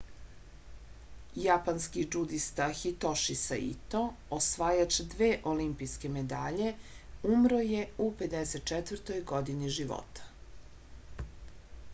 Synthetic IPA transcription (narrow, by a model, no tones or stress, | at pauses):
japanskid͡ʒud̪ist̪axit̪oʃisa̰ḭt̪o | osʋaːjat͡ɕd̪ʋeːʔolimpijske̞me̞d̪aːʎe̞umɾoje̞upe̞d̪eset̪̚t͡ʃɛt̪ʋəɾt̪o̞jɡo̞d̪iniʒiʋo̰t̪ḁ